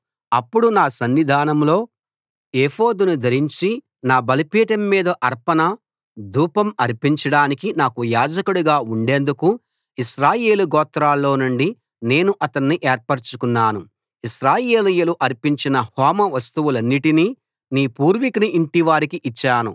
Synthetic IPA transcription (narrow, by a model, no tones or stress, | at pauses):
ɐpːuɽunaːsɐnːid̪ʱaːnɐmlo̞ː | eːhoːd̪unud̪ʱɐɾiɲt͡ʃi | naːbɐlɐpiːʈɐmːiːd̪ɐʔɐɾpɐnɐ | d̪ʱuːpɐmɐɾpiɲt͡ʃɐɽaːnikinaːkujaːd͡ʒɐkuɽuɡaːuɳɖe̞ːnd̪uku | iʃɾaːje̞ːluɡɔːt̪ɾaːlːo̞ːnuɳɖi | ne̞ːnuʔɐt̪ɐnːiʔeːɾpɐɾt͡ʃukunːaːnu | iʃɾaːje̞ːlijɐluʔɐɾpiɲt͡ʃinɐhɔːmɐʋɐst̪uwulɐnːiʈini | niːpuːɾʋikɐniʔiɳʈiʋaːɾikiʔit͡ʃːaːnṵ